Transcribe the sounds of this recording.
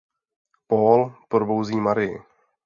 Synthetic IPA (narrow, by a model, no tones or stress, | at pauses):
poːlpoɾbowziːmaɾɪjɪ̰